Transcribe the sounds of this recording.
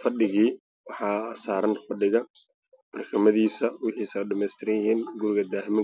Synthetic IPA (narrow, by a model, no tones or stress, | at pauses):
fɐɖɪɣiː | wɑħɑːsaːɾɐnfɐɖɪɣɐ | b̥ɐrkʰɐmɐðiːsɐwɪħiːsɛɖɐmɛjst̪ʰɪɾɐjɪɦiːnɡʊɾɪɣɐd̪aːɦɪmɪ